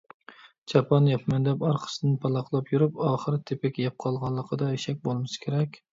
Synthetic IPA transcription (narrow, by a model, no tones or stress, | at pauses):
d͡ʒɑpʰɑnjɑpʰmɛnd̪ɛpɑɾqʰə̥sɨd̪ɨnpʰɑlˠɑqlˠɑpjuɾupɑːχəɾt̪ʰepɪkʲjɛp̚qʰɑlˠʁɑnlˠːəqʰəd̪ɑeʃɛk̚ʲbolˠmɨskʲʰeɾɛkʲ